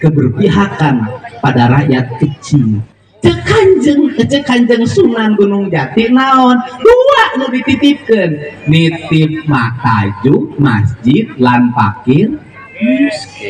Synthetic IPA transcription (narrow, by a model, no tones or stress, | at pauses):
kəbərpiɦakanpadaɾajat̪ːik̚t͡ʃi | t͡ʃəkaɲd͡ʒəŋkət͡ʃəkaɲd͡ʒəŋsunanɡunuŋd͡ʒat̪iʔnaɔndulaʔlədit̪it̪ip̚kənːit̪ip̚mat̪ad͡ʒuk̚masd͡ʒit̪̚lanpa̰kɪr